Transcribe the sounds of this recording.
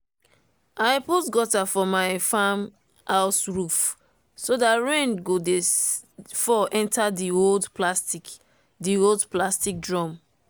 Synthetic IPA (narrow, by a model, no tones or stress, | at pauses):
aɪputɡɔtafɔmaɪfãm | haʊsɹuf | sodatɹẽnɡode | fɔʔɛ̃ntʰadioldplasti | dioldplastik̚dɹɔ̃m